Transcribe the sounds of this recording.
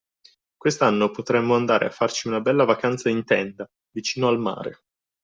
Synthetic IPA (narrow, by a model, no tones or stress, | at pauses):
kwest̪anːopot̪ɾɛmːoand̪aːɾʔḛa̰fːart͡ʃiunabɛlːavakant̪saint̪ɛnd̪a | vit͡ʃiːnoalma̰ːɾḛ